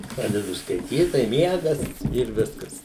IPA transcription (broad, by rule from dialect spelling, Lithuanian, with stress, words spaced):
ˈprɑːdʲɛdʊ skɐɪˈtʲiːt tɐɪ ˈmʲiɛɡɐs ɪr ˈʋʲɪskɐs